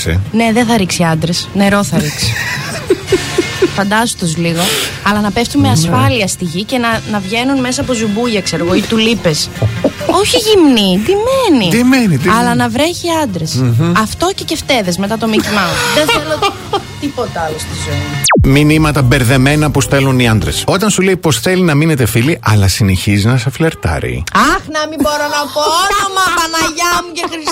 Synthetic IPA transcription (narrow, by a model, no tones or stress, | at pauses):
sḛne̞ðeθɐɾiksiɐnd̪ɾesne̞ɾo̞θɐɾiksi̥ | fɐnd̪ɐzot̪ozliɣo̞ɐlɐnɐpe̞ft̪unmeɐsfɐliɐst̪iʝice̞nɐnɐvʝe̞nunme̞sɐːpo̞zubuʝɐkseɾeɣoit̪ulipes | o̞çiʝimnit̪imenit̪imenit̪ɐlɐnɐvɾe̞çiɐnd̪ɾe̞sɐft̪o̞cece̞ft̪e̞ðezmet̪ɐt̪o̞mitimɐmuðenθelo | t̪ipo̞t̪ɐɐlost̪izoiminimɐt̪ɐbe̞ɾðe̞me̞nɐpust̪e̞luniɐnd̪ɾḛso̞t̪ɐnsuleipo̞sθelinɐmine̞t̪e̞filiʔɐlɐsineçizinɐsɐfleɾt̪ɐ̰ɾḭɐxnɐmibo̞ɾonɐpoonomɐpɐnɐʝɐmucexɾis